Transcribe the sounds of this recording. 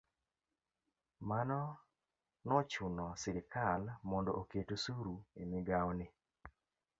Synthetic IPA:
manɔ | nɔt͡ʃunɔsɪɾɪkalmɔndɔʔoketosuɾuemɪɡawnɪ

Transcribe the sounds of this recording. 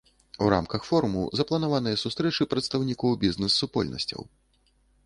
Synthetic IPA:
uɾa̰mkɐxfɔɾumṵzɐplˠɐnavan̪ɨjɐsust̪ɾɛt͡ʂɨpɾɐt̪st̪ɐwnʲikɔwbʲiznɛsːupɔ̰lʲnɐ̰sʲt͡sʲɐ̰w

